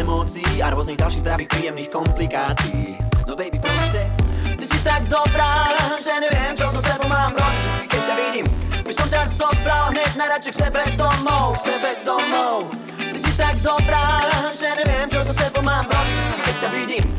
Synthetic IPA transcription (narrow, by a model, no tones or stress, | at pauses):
ɛmɔːt͡siiaɾwɔzniːɣɟalʃiːzd̪ɾaʋiːxpɾiːjɛmniːxkɔmplikaːt͡siḭd̪ɔbɛjbipɾɔscɛt̪isit̪aɡ̚d̪ɔbɾaːʒɛɲɛvɪɛmt͡ʃɔs̬asɛbɔmaːmɾɔd͡ʑit͡ʃɛt͡skikɛc̚caʋiɟimbisɔmtazɔbɾalɦɲɛɟnaɾat͡ʃiksɛbɛd̪ɔmɔwsɛbɛd̪ɔmɔw | t̪isit̪aɡ̚d̪ɔbɾaːʒɛɲɛvɪɛmt͡ʃɔsasɛbɔmaːmɾɔbit͡ʃɛt͡skikɛc̚caʋiɟim